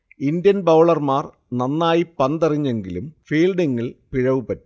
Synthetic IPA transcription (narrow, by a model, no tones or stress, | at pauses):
ind̪jɐnbɐwɭɐrmaːr | nɐnːaːjipɐnd̪ɐriɲːe̞ŋɡilumfiːlɖiŋːiɭpiɻɐʋupɐtːu